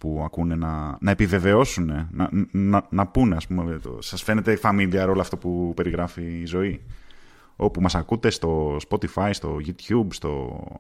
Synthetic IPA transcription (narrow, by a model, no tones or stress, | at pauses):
puɐkune̞nɐnɐe̞pive̞ve̞o̞sune̞nɐnɐnɐpune̞ɐspumet̪o̰sɐsfe̞ne̞t̪e̞fɐmiliɐɾo̞loɐft̪opupe̞ɾiɣɾɐfiːzo̞i | o̞pumɐsɐkut̪e̞st̪o̞spo̞t̪ifɐjst̪o̞ʝut̪çubst̪o̞̰